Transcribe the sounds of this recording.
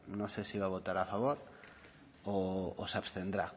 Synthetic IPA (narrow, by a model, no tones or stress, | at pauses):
nosesiβaβ̞o̞t̪aɾafaβ̞oɾ | oːsapst̪end̪ɾa